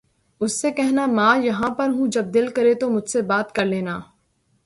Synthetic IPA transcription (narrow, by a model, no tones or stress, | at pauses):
ʊsːekɛɦnamaːjɐɦãpɐɾɦũd͡ʒɐb̚d̪ɪlkɐɾet̪omʊd͡ʒʱsebaːt̪kɐɾleːnaː